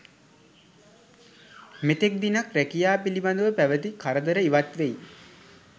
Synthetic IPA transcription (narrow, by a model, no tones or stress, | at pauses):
met̪ek̚d̪inakɾækijaːpiliband̪əʋəpæʋət̪ikʰaɾəd̪əɾəiʋat̪ʋej